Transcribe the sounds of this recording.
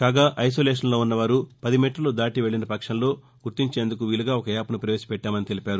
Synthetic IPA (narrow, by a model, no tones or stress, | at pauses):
kaːɡaːʔɐjs̬oːleːʂ̬ɐnlo̞ːunːɐʋaːɾupɐd̪imiːʈɐloːd̪aːʈiʋeɭːinɐpɐkʂɐnlo̞ː | ɡuɾt̪iɲt͡ʃeːnd̪ukuʋiːluɡaːɔkɐjaːpɐnupɾɐʋeːsɐ̥pɛʈːaːmɐnit̪elipaːɾu